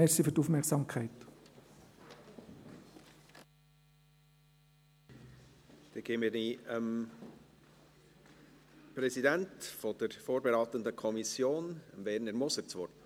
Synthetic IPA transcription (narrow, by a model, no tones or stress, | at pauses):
ɛsəfyɾtuːfmɛksɑmkʰaɪt | d̥ɛɡ̥eːmiɾniəm | pɾɛsidɛntfod̥əɾfoːɾbeɾɑːt̪əndəkʰɔmisjoːnəmvɛɾnəɾmɔsəɾt͡svɔt